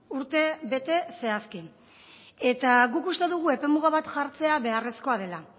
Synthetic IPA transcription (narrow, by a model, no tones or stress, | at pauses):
uɾt̪e̞βe̞t̪e̞se̞aski | e̞t̪aɣukust̪e̞ðuɣ̞ue̞pe̞muɣaβat̪ʝaɾt͡se̞aβe̞are̞sko̞að̞e̞la